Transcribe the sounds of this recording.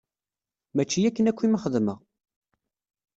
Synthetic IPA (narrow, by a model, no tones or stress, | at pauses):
mæt͡ʃːijækːənækʷːiməχəðmə̰ʁ